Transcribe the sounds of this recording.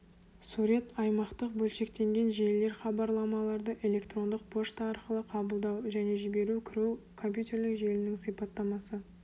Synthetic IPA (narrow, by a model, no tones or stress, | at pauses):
suɾʲe̞t̪ɑjmɑqt̪əq̚bɵlʃe̞kt̪e̞ŋɡʲe̞nʒe̞lle̞ɾχɑbɑɾlˠɑmɑlˠɑɾd̪əʔe̞le̞kt̪ro̞nd̪əq̚pʰo̞ʂt̪ɑɑɾqəlˠəqʰɑbəlˠd̪ɑwʒæne̞ʒɪbe̞ɾukʲʰɪɾukʰo̞mpʲjut̪ʲe̞rlɪkʒe̞lɪnɪŋsijpɑt̪ːɑmɑsə